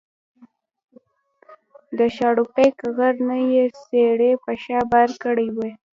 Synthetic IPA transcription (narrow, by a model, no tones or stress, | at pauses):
d̪əʃɑɽupejkɣaɾnajeseɽepəʃɑbaɾkəɽijwe